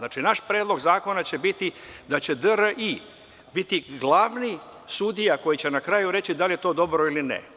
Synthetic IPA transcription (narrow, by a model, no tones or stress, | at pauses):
naːt͡ʃinaʃpɾe̞ːd̪lˠo̞ɡzaːko̞nat͡ɕe̞bit̪id̪at͡ɕe̞d̪əɾəʔi | bit̪iɡlˠaːʋni | sud̪ijako̞jit͡ɕe̞nakɾajuɾe̞t͡ɕid̪alije̞t̪o̞ːd̪o̞bɾo̞ilinḛ